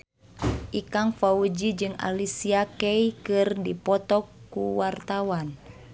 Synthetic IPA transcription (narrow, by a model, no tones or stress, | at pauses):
ʔikaŋfaud͡ʒid͡ʒɨŋa̰lisiakɛikɨrdipɔt̪ɔkːuwart̪awan